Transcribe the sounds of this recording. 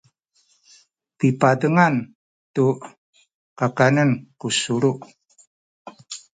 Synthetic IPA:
pipadəŋan | tu | kakanənkusuɾuʔ

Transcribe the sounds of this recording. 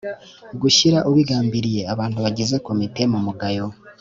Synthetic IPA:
ɡuʃiɾaʔuβwiɡaːmbiɾije̞aβaːntuβaɟize̞ko̞mite̞mumuɡajo̞

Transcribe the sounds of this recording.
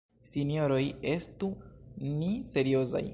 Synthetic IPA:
sinijo̞ɾo̞je̞stunise̞ɾio̞za̰j

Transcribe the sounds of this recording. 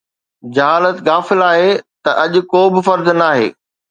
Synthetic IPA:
d͡ʑɐɦaːlət̪ɣaːfɪlaːɦet̪ɐʔɐʄʊ̆koːbɪfɐɾd̪naːɦḛː

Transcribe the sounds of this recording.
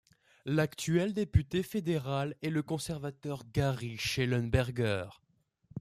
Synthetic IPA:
lakt̪ɥɛld̪epyt̪efed̪eʁalɛləkɔ̃sɛʁvat̪œʁɡaʁiʃelɔnbɛʁɡœːʁ

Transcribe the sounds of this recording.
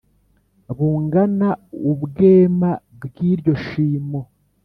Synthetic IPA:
βuːŋɡanaubɡe̞ːma | bɡiːɾɟo̞ʃiːmo

